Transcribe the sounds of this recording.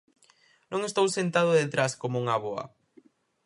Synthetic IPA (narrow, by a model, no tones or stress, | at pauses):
nõŋest̪owsent̪að̞ʊðet̪ɾaskomouŋaβoɐ̰